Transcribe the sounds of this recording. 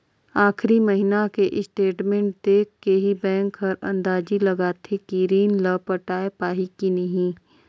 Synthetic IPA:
aːxɾimɐɦinakeʔɪsʈeːʈmẽːɳʈ̚d̪eːkkeɦibɛ̃ːŋkɦɐɾɐ̰̃nd̪aːd͡ʒilɐɡaːt̪ʰekiɾiːnlɐpəʈaːepaːɦikinɐɦĩ

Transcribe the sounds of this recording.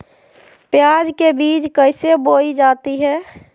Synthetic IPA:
pjad͡ʒkebid͡ʒkəɪseboid͡ʒat̪iɦɛː

